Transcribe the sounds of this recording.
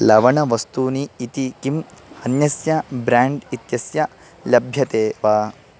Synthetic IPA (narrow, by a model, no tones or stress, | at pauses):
lɐʋɐɳɐʋɐst̪uːniːt̪ikimhɐnjɐsjɐbɾaːɳɖit̪jɐsjɐ | lɐbʱjɐt̪eːʋaː